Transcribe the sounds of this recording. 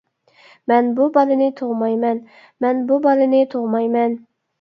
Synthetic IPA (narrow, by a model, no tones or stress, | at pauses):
mɛnbubɑlɪnɪt̪ʰoʁmɑjmɛn | mɛnbubɑlɪnɪt̪ʰoʁmɑjmɛn